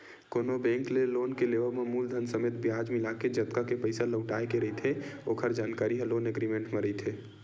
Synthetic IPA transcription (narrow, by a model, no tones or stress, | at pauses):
koːnobɛ̃ːŋkleloːnkeleʋəɾmemuːld̪ʱənsəmeːt̪̚bjaːd͡ʒmɪlaked͡ʒət̪kakepəɪsaləʊʈaːekeɾəɦit̪ʰeoːkʰəɾd͡ʒaːnkaːɾiɦɛloːneɡɾimẽɳʈmeɾəɦit̪ʰe